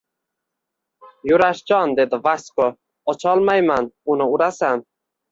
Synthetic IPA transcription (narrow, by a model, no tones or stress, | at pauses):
jʊɾaʃd͡ʒɒnd̪e̞d̪ɪvasko | ɒt͡ʃʰɒlˠmajmanʊnɪʊɾasan